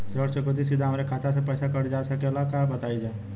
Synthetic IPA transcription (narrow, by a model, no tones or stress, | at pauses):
sʋəɾt͡ʃəkod̪is̬ɪd̪ʱaɦmɾekʰaːt̪asepɛːsakɐɽd͡ʒaːsɐkelakabɐt̪aːid͡ʒaː